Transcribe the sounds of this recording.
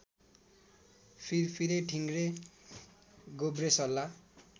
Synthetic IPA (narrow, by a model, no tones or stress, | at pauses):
pʰiɾpʰiɾeʈʰiŋɡɾe | ɡobresʌlːa